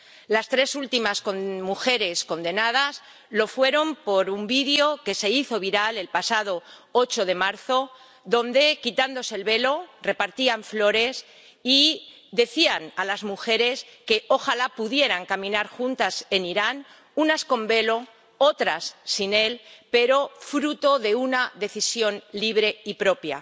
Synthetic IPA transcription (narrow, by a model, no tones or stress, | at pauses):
last̪ɾe̞sult̪imaskomuxe̞ɾe̞sko̞nd̪e̞nað̞as | lo̞fwe̞ɾo̞mpo̞ɾumbiðjo̞ke̞se̞iθo̞β̞iɾale̞lpasað̞o̞o̞t͡ʃo̞ð̞e̞maɾθo̞ | ðo̞nd̪e̞kit̪and̪o̞seːlβe̞lo̞re̞paɾt̪iaɱflo̞ɾe̞s | i | d̪e̞θianalazmuxe̞ɾe̞ske̞ʔoxalapuðje̞ɾaŋkamĩnaɾxunt̪ase̞niɾan | unasko̞mbe̞lo̞ | ot̪ɾasːine̞lpe̞ɾo̞fɾut̪o̞ðe̞unaðe̞θisjo̞nliβ̞ɾe̞ipɾo̞pja̰